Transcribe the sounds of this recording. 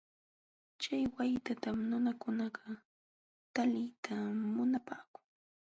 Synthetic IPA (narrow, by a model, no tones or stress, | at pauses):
t͡ʃajwajt̪at̪amnʊnakʊnɑɢɑ | t̪alɪjt̪ʰamʊnapaːkʊ̥ŋ